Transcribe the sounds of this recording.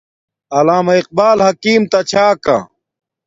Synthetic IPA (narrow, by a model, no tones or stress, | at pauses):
ɐlaːmɐiq̚baːlhɐkiːmt̪ɐt͡ɕʰaːka̰